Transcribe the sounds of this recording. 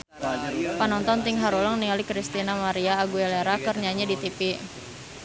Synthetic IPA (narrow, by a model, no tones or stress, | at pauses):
panɔnt̪ɔnt̪ɪŋɦaɾuləŋnialikɾist̪inamaɾiaːɡuɛleɾakərɲaɲadit̪ipi